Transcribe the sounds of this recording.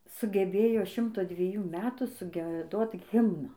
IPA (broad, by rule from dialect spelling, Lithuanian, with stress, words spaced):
sʊɡʲɛˈbʲeːjoː ˈʃʲɪmtoː dʲʋʲiɛˈjuː mʲɛtuː sʊɡʲiɛˈdoːt ˈɣʲɪmnɑː